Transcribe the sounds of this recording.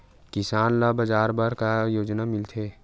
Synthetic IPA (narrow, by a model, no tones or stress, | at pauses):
kɪsaːnlabɐd͡ʒaːɾbaɾkajoːd͡ʒnamɪlt̪ʰeː